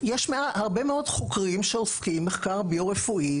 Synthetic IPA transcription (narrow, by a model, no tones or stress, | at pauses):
jeʃmeahaʁbemeo̞dχokʁimʃeoskimːeχkaʁboʁefuʔi